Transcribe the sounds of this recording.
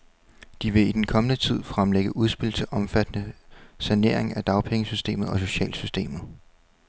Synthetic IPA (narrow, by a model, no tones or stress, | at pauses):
d̥iʋe̝id̥enkʰɒ̽mənət͡sʰið̞̰ˠfʁamleɡ̥əʔuð̞ˠsb̥e̝l̰t͡sʰe̝lʔɒ̽mfæd̥ənəsæne̝ɐe̝ŋæd̥ɑ̈ʊpʰeŋəsysd̥e̝̰ːmð̞̩ˠɒ̽so̝ɕɛ̰ːlsysd̥e̝̰ːmð̩ˠ